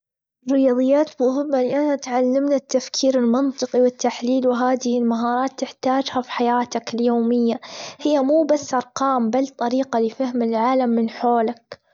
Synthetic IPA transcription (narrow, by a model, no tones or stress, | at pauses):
rːɪjɑːðˤɨjːaːt̪mʊɦɪbːalɪʔanat̪ʕalːamnat̪ːafkʰiːɾɪlmɨnt̪ˤɨqiwɪt̪ːaħliːlwɪɦaːðɪhɪlmaɦɑːɾˤɑːt̪ːɪħt̪aːd͡ʒhafi̥ħajaːt̪akɪljoːmɪjːahɪjːamuːbasːʔɑɾˤqɑːmbalt̪ˤɑɾiːqɑlɪfahmɪlʕaːlamːɪnħoːlak